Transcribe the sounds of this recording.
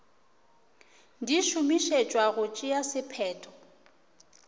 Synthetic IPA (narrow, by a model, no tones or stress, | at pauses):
diʃumiʃet͡ʃʼwaɣʊt͡ʃʼɪjasɪpʰɛːtʰʼɔ̥